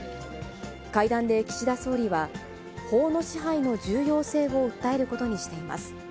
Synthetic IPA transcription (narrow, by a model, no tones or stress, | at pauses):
kaid̪ãnd̪e̞kʲi̥ɕid̪aso̞ːɾʲiβa | ho̞ːno̞ɕiɦaino̞d͡ʑɨːjo̞ːse̞ːɡo̞ɯ̟t̪ːae̞ɾɯ̟ko̞t̪o̞ɲ̟iɕi̥t̪e̞ima̰sɨ̥